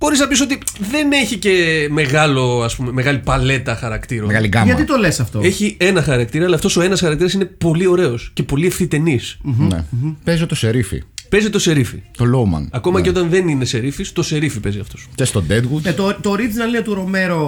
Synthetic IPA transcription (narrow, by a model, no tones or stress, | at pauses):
xo̞ɾiznɐpiso̞t̪iðe̞neçice̞me̞ɣɐlo̞ɐspume̞me̞ɣɐlipɐle̞t̪ɐxɐɾɐkt̪iɾomeɣɐliɡɐmɣɐt̪it̪o̞le̞sɐft̪oeçie̞nɐxɐɾɐk̚t̪iɾɐːlɐft̪o̞so̞e̞nɐsxɐɾɐk̚t̪iɾɐsine̞po̞lio̞ɾe̞o̞sce̞po̞liefθit̪e̞nisnḛpezot̪o̞seɾifḭpezit̪o̞se̞ɾifḭt̪oloumɐ̰nɐko̞mɐceo̞t̪ɐnðe̞nine̞se̞ɾifist̪o̞se̞ɾifipe̞ziɐft̪o̞scest̪od̪ed̪ɣut̪t̪ot̪oɾiiznɐliɐt̪uɾo̞me̞ɾo